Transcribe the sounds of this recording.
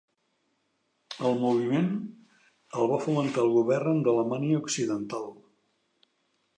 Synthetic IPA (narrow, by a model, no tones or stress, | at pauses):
əlˠmuβ̞imen | əlˠβ̞afumənt̪aəlˠɣuβɛrnd̪ələmaniəuksiðənt̪alˠ